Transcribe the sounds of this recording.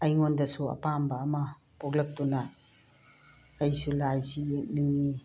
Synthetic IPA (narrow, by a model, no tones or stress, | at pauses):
ɐjŋondɐsuɐ̰pambɐːmɐ | pʰoklɐk̚tunɐ | ɐjsulajsijek̚niŋːi